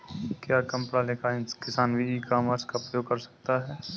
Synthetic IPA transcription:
kjaːkɐ̃mpɽaːlekʰaɪnkɪsaːnbiikaːmaɾskaʊpɾəjoːɡ̚kɐɾsɐ̥k̚t̪aɦɛː

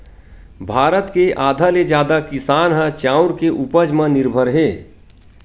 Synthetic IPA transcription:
bʱaːɾət̪keʔaːd̪ʱaled͡ʒjaːd̪akɪsaːnɦə̃t͡ʃãːʊɾkeʔupəd͡ʒmə̃nɪɾbʱəɾɦeː

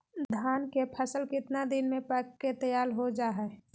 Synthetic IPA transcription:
d̪ʱaːnkepʰəsəlkɪt̪nad̪ɪnmẽpəkːet̪əjaːlɦod͡ʒaːɦɛː

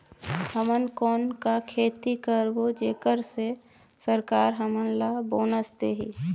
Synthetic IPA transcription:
həmənkɔːnkakʰeːt̪ikəɾbod͡ʒeːkəɾse | səɾkaːɾɦəmənlaboːnəst̪eɦiː

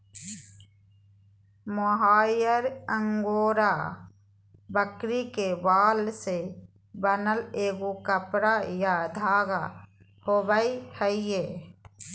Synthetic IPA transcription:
moɦaːjəɾəŋɡoːɾa | bəkɾikebaːlse | bənəleːɡukəpɾajad̪ʱaːɡa | hobəihəie

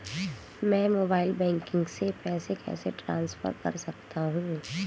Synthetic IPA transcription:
mɛ̃ːmoːbaːɪlbɛ̃ːŋkɪ̃ŋɡsepɛːsekɛ̰ːseʈɾã̰ːnsfə̰ɾkɐ̰ɾsɐk̚t̪aɦũ

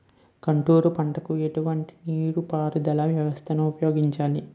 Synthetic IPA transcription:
kɐɳʈuːɾupɐɳʈɐkueʈuʋɐɳʈi̥niːɽupaːɾud̪ɐlɐʋjɐʋɐst̪ʰɐnuːpɐjo̞ːɡiɲt͡ʃaːli

